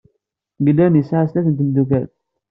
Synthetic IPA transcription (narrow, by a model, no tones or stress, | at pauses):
ɡdæmisʕastækənt̪əmd̪uk̬æɾ